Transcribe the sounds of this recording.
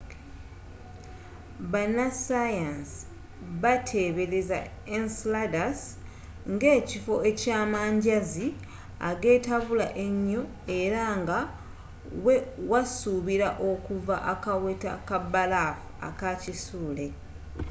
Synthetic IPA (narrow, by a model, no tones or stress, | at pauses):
banːasajans | βatʰeβe̞ɾeza̰ | ensladas | ŋɡe̞ːcifo̞e̞caːmaːɲɟazi | a̰ɡe̞ːtaβula̰ʔe̞ɲːo̞ | e̞ɾaŋɡa | wewasuβiɾaʔo̞kuvaʔakaweta̰kabalafua̰kacisuːle̞